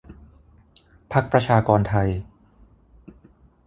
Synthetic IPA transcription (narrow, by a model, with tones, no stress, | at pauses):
pʰa˦˥k̚pɾa˧t͡ɕʰaː˧kɔː˧nt̪ʰa˧j